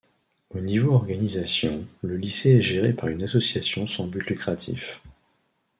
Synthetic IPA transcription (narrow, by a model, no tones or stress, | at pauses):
onivoɔʁɡanizasjɔ̃ləliseɛʒeʁepaʁynasɔsjasjɔ̃sɑ̃byt̪lykχat̪ʰḭf